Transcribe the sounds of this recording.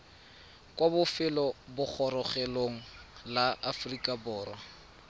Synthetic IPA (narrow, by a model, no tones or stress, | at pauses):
kwabʊfɪlɔbʊk͡xʰɔɾɔχɛloŋ̩laʔafrikʼabʊːrwa